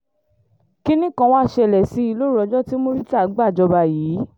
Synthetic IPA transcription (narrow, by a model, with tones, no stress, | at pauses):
ki˦nĩ˦kã˧wɔ̃˦a˦˨ʃɛ˨lɛ˨si˨˦i˧lo˦˨ɾɔ˨˧˦d͡ʒɔ˦ti˦mo˦ɾi˦ta˦˨˦ɡ͡ba˦˨d͡ʒɔ˧ba˨jiː˨˦